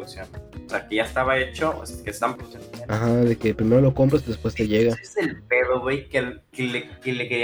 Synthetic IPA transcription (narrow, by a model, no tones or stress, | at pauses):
uksjonoseakeʝaest̪aβae̞t͡ʃoo̰skest̪aβampɾet͡ʃeaxaðe̞ke̞pɾime̞ɾo̞lo̞ko̞mpɾasiðe̞spwe̞st̪e̞ʝe̞ɣazelpe̞ðoɣwejkelkelekelekeɾi